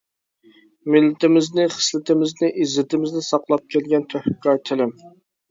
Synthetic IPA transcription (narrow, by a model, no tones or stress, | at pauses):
mɪlːɪt̪ɪmɪznɪχə̥slɪt̪ɪmɪznɪʔizɪt̪ʰɪmɪznɪsɑqlˠɑp̚kʲʰɛlɡʲɛnt̪ʰøhkːɑɾt̪ʰɪlɪm